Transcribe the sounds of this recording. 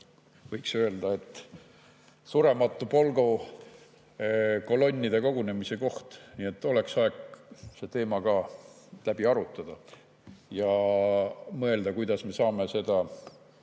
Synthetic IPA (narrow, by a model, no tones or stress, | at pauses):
vɤjksø̞e̞ld̪̥ɑe̞t̪ː | suɾe̞mɑt̪ːˑupo̞lɡ̥o | ko̞lo̞nʲːid̪e̞ko̞ɡ̥une̞mise̞ko̞ht̪nie̞t̪ːˑo̞le̞ksɑekse̞t̪e̞ːmɑkɑː | læb̥iɑɾut̪ːˑɑd̪̥ɑ | jɑ | mɤ̞e̞ld̪̥ɑkujd̪̥ɑsme̞sɑːme̞se̞d̪̥ɑ